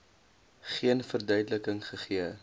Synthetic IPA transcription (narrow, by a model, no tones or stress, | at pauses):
χiənfərdœɥdələkəŋχəχiə